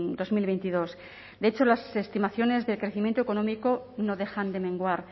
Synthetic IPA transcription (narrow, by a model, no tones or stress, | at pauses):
d̪o̞zmilβe̞jnt̪iðo̞s | d̪eet͡ʃo̞lase̞st̪imaθjo̞ne̞zðe̞lkɾe̞θimjent̪oe̞ko̞nõ̞mikono̞ðe̞xand̪e̞mẽ̞ŋɡwaɾ